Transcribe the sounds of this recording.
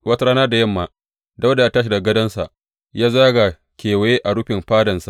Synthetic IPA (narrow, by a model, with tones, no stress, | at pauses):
wɐ˦ta˦ɽaː˦naː˦da˨jɐ˦mːaː˨ | da˦wda˨ja˦taː˦ʃ̬i˨da˨ɡɐ˦dɐ˦nsa̰˨ʔ | jaː˦zaː˦ɡa˨ | kʲeː˨wa˨jeː˦ʔa˨ɽʊ˦ɸɪ˨mɸaː˦dɐ˨nsa˨